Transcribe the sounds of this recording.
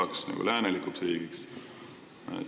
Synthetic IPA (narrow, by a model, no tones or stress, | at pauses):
ɑksnɑ̰ɡ̥ṵlæːnelikuksriːɡ̥iks | ḛ